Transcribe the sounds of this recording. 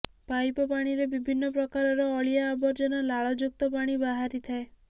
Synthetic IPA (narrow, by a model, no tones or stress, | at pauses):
pajpɔpaɽ̃iɾebibʱinːɔpɾɔkaɾɔɾɔːɭijaːbɔɾd͡ʒɔnɔlaɭɔd͡ʒuk̚t̪ɔpaɽ̃ibaɦaɾit̪ʰae